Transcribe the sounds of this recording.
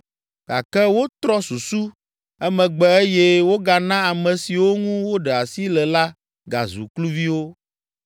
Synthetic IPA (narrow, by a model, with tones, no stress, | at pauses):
ɡ̥a̰˨kɛ˦wo˦t̪ɾɔ˦su˨su˦ | ɛ˦mɛ̃˨ɡ͡bɛ˨e˦jɛ˦wo˦ɡa˨nã˦a˨mɛ̃˨si˨wo˦ŋũ˦wo˦ɖɛ˨a˨si˦lɛ˨la˦ | ɡa̰˨zṵ˨klu˦vi˦wo˦